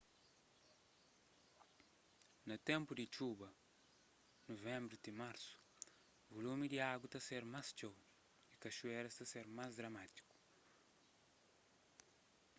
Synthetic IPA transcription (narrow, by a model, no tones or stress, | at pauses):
nɐt̪ẽmpud̪it͡ʃubɐ | novẽmbɾut̪imaɾsu̥ | volumid̪iaɡut̪aseɾmast͡ʃow | ikɐʃueɾɐst̪ɐseɾmazd̪ɾɐmat̪i̥ku̥